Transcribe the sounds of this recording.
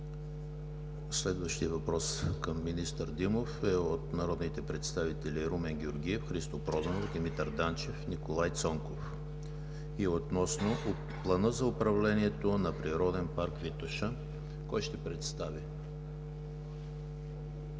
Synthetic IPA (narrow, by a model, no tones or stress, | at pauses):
slɛd̪vəʃt̪ijəvɐpɾɔskəmːinist̪əɾd̪imofɛot̪nɐɾɔd̪nit̪ɛpɾɛt̪st̪avit̪ɛlʲiɾumɛŋɡʲoɾɡiɛfxɾist̪opɾɔd̪ɐnovd̪imit̪ɐɾd̪ant͡ʃɛfnikolˠajt̪sɔŋkof | iot̪nɔsno | plˠɐnɤzɐʊpɾɐvlɛniɛt̪onɐpɾiɾɔd̪ɛnpaɾkvit̪oʃə | kɔjʃt̪ɛpɾɛt̪st̪avi